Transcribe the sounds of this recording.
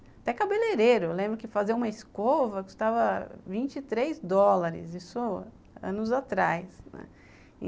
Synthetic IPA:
at̪ɛkabeleɾeɾʊewlẽmbɾʊkɪfaziũmɐɪskovɐku̥st̪avɐvĩnt͡ʃit̪ɾejzd̪ɔlaɾɪ̰zisʊ | ɐ̰̃nʊzat̪ɾajsnɛ̰̃

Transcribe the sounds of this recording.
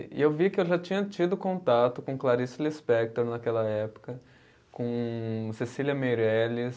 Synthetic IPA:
ɪ̰ewvikɪewʒat͡ʃĩɲɐt͡ʃid̪ʊkõnt̪at̪ʊkõklaɾisʊlispɛk̚t̪oɾnɐkɛlɐɛpʊ̥kɐ | kõsesiliɐmeɾɛlɪ

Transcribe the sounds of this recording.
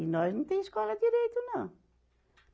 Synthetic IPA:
inɔznɐ̃w̃t̪ẽj̃ʃkɔlˠɐd̪iɾejt̪unɐ̃w̃

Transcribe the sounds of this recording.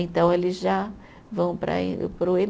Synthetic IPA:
ẽnt̪ɐ̃w̃elɪzʒa | vɐ̃w̃pɾɐ̰pɾʊe

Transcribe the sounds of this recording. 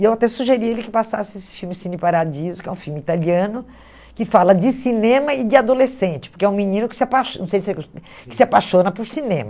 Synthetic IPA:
ewat̪ɛsuʒeɾiɐelɪkɪpasa̰sɪesɪ̥fiwmɪsĩnɪpaɾadizʊkɪɛ̰ũfiwmɪit̪aliɐ̃nʊ | kɪfalɐd͡ʒɪsinẽmɐɪd͡ʒ̪ɪad̪olesẽnt͡ʃɪ̥pʊɾkɛũminĩnʊkɪ̥sɪapaʃnɐ̃w̃sejskɪ̥sɪapaʃõnɐpʊɾsinẽmɐ

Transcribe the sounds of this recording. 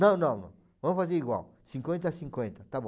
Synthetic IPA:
nɐ̃w̃nɐ̃w̃nɐ̰̃ | vɐ̃m̃fazeɾiɡwa̰w | sĩŋkwẽnt̪asĩŋkwẽnt̪ɐt̪abõ

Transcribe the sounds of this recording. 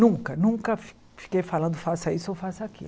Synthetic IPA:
nũkɐnũŋkɐf | fi̥kejfalɐ̃nd̪ʊfasɐisʊewfasʊakḭl

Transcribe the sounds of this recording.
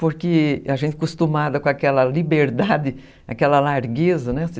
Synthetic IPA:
poɾkɪaʒẽnt̪ɪkust̪umad̪ɐkõakɛlɐlibeɾd̪ad̪ɪ | akɛlɐlaɾɡezɐnɛsɪ

